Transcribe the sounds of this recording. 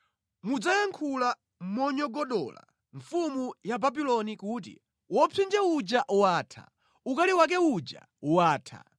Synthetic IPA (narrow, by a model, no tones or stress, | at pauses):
mud͡zajaŋkʰula | mmɔɲɔɡɔɗɔ̰la̰ | ɱfumujababilɔnikut̬ḭ | wɔpʰind͡ʒɛud͡ʒaʔwaːtʰa̰ | ukaliwak̬ɛud͡ʒa̰ | waːtʰa̰